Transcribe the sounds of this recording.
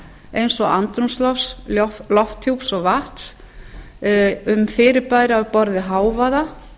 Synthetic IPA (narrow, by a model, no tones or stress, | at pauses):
ejnsɔɣa̰nt̪ɾumslɔfslɔft̪ʰuwpsɔɣvaht̪s | ʏmfɪːɾɪɾpaːjɾɪawpɔɾðɪɦaːwvaða